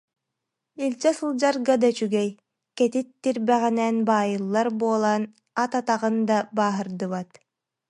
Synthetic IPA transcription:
ilʲt͡ɕɛsɯlˠd͡ʑaɾɡad̪at͡ʃyɡɛj | kɛt̪it̪ːiɾbɛʁɛnɛnbaːjɯlˠːaɾbuɔlˠan | at̪at̪aʁɯnd̪abaːɦɯɾd̪ɯβat̪

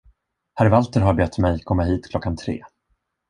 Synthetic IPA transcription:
hæɾvalt̪əɾɦaɾbɛt̪ːmɛjkʰɔmːaɦiːt̪kʰlɔkːant̪ʰɾḛː

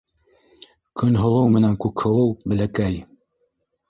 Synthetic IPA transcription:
kɵnɦŏlˠɤwmɘ̆næŋkʉkhŏlˠɤwbɘ̆lækæj

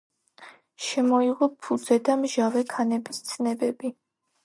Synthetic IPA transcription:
ʃɛmɔiʁɔpʰud̪zɛd̪amʒavɛkʰanɛbist̪sʰnɛbɛbi

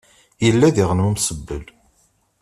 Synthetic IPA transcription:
jəlːæðiʁənwimsəbːə̰l

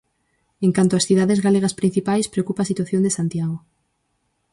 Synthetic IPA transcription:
eŋkant̪oasθjuðaðezɣaleɣ̞aspɾin̟θipajspɾeokupaːsit̪waθjond̪esant̪jaɣ̞o

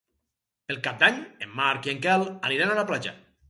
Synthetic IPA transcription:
pelˠkap̚d̪aɲemːaɾkieŋkɛlaniɾanalaplaʒa̰

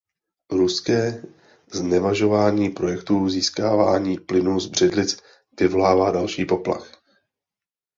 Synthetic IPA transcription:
ɾuskɛː | znɛvaʒo̞vaːɲiːpɾo̞jɛkt̪uːziːskaːvaːɲiːplɪnuzbr̝̥ɛdlɪt͡s | vɪvo̞laːvaːdalʃiːpo̞pla̰x

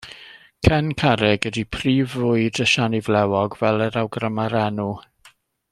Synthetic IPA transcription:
kʰɛnkʰaɾɛɡədipʰriːvʊɨdəʃanɪvlɛwɔɡvɛlˠəɾawɡrəmaɾɛnu

